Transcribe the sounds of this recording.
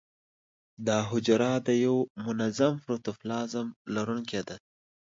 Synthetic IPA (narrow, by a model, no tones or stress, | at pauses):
d̪ɑɦʊd͡ʒɾɑd̪əjawmʊnazamfɾut̪uflɑzamlaɾuŋked̪a